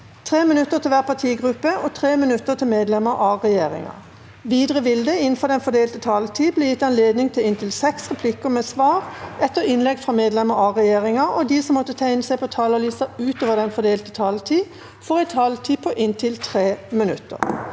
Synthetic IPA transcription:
t̪ʰʁeːmɪnʉt̪ːəʁt̪ʰɪlʋæːʁpʰɑt̪ʰiːɡʁʉpəʔɔt̪ʰʁeːmɪnʉt̪ːəʁt̪ʰɪlmeːd̪lɛməɾʔɑʁɛjeːʁɪ̰ŋɑ̰ | ʋiːd̪ʁəʋɪld̪əɪn̩fɔd̪ɛnfɔd̪eːlt̪ət̪ʰɑːlt̪ʰiːbleːjɪt̪ːɑnleːd̪nɪŋt̪ʰɪlɪnt̪ʰɪlsɛksʁɛpʰlɪkʊmɛːsʋɑːʁʔɛt̪ːəʁɪnlɛɡfʁɑmeːd̪lɛməɾɑʁɛjeːʁɪŋɑʔɔd̪iːsɔmːɔt̪ːət̪ʰæɪnəsæɪpʰɔt̪ʰɑːləliːsɑʉːt̪oːʋəʁd̪ɛnfɔd̪eːlt̪ət̪ʰɑːlt̪ʰiː | fɔʁɛɪt̪ʰɑlt̪ʰiːpʰɔʔɪnt̪ʰɪlt̪ʰʁeːmɪnʉt̪ːə̰ʁ

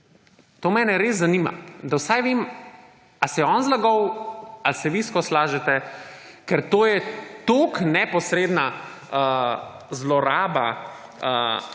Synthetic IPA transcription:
t̪oːmɛːnɛɾeːzzːanima̰d̪awsajʋeːm | asɛɛɔːnzlaɡɔwalsɛʋiskɔslaːʒɛt̪ɛ | kɛɾt̪oːjɛt̪oknɛpɔsɾeːd̪na | ə | zlɔɾaːba̰ | ə̰

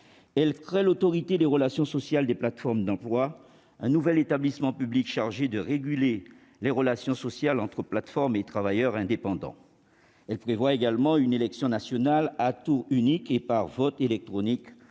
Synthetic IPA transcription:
ɛlkχɛlot̪ɔʁit̪ed̪eʁəlasjɔ̃sɔsjald̪eplat̪fɔʁmd̪ɑ̃plwa | ɛ̃nuvɛlet̪ablismɑ̃pyblikʃaʁʒed̪əʁeɡʲyle | leʁəlasjɔ̃sɔsjalɑ̃t̪χəplat̪fɔʁmet̪χavajœʁɛ̃d̪epɑ̃d̪ɑ̰̃ | ɛlpχevwaeɡalmɑ̃ynelɛksjɔ̃nasjɔnalat̪uʁynikepaʁvɔt̪elɛk̚t̪χɔnik

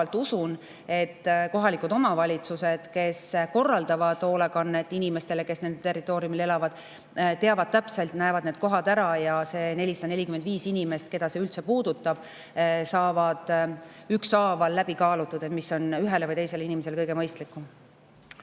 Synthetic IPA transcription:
ɑlt̪ːˑusun | e̞t̪ːko̞ɦɑlikud̪o̞mɑvɑlʲit̪suse̞d̪̥ke̞sko̞rːɑld̪̥ɑvɑd̪̥o̞ːlekɑnːet̪ːˑinime̞st̪e̞le̞ke̞sne̞nd̪̥et̪e̞rːit̪ːˑo̞ːɾiumile̞lɑvɑd̪̥ | t̪e̞ɑvɑd̪̥̚t̪æpse̞lt̪næevɑd̪̥̚ne̞ːd̪̥̚ko̞ɦɑd̪æɾɑjɑse̞ːne̞lʲisɑ̥ɑnelʲikymend̪viːsinime̞st̪ke̞d̪̥ɑse̞ylt̪se̞puːd̪̥ut̪ːˑɑb̥ | sɑːvɑd̪̥yksɑːvɑlːæb̥ikɑːlut̪ːˑud̪et̪misːo̞nyɦe̞levɯjt̪ejse̞leinimese̞lekɤjɡ̥emɤjst̪likːˑum

